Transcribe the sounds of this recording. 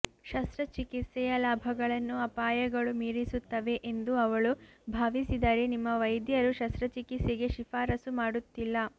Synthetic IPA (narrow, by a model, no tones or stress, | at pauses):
ʃɐst̪ɾɐt͡ʃikit̪sɛjɐlaːbʱɐɡɐɭɐnːuɐpaːjɐɡɐɭumiːɾisut̪ːɐʋe̞ʔend̪uɐʋɐɭubʱaːʋisid̪aːɾenimːɐʋɐjd̪jɐɾuʃɐst̪ɾɐt͡ʃikit̪seɡe̞ʃifaːɾɐsumaːɽut̪ːilːɐ